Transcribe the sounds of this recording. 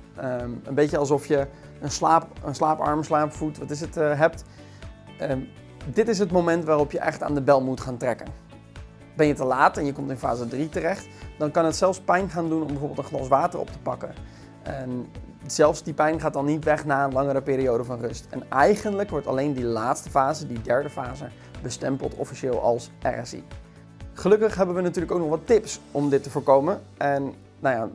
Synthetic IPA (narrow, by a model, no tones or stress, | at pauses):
əənbecəɑlˠs̬ɔfjə | ənslaːpənslaːpɑ̰ɹməslaːpfutʋɑtɪs̬ətɦɛp̚t | ə | dɪtɪs̬ətmomɛntʋaːrɔpjəʔɛ̰χta̰ːndəbɛlˠmutχaːntrɛkən | bɛnjətəlaːtɛnjəkɔmtɪnfa̰ːzədritərɛχtd̥ɑnkɑnətsɛlˠfspɛjnχaːndunɔmbɛjvoːbɪlˠtə̃nχlɑs̬ʋaːtərɔ̰p̚tə̥pɑkə̰ | ɛnz̥ɛlˠfsdipɛjnχaːdɑnːitʋɛχnaːənlɑŋəɾəpɪːɾiowdəvɑnrɵstɛ̰nɛjχəndləkʋɔɹtɑ̰lejndilaːtstəfaːzədidɛɹdəfaːzə | bəstɛmpə̰lˠtɔ̰fiʃɪːlˠɑ̰lˠsʔɛ̰rɛsḭ | χəlɵkəχɦɛbəʋənatyːɹləkowk̚nɔχʋɑtɪpsɔmdɪtːəvʊːɹkowmən | ʔɛnː | awja